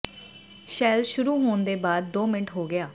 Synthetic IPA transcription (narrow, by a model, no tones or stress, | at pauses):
ʃɛːlʃʊɾuːɦoːnd̪eːbaːd̪̚ːoːmɪəʈɦoːɡɪjaː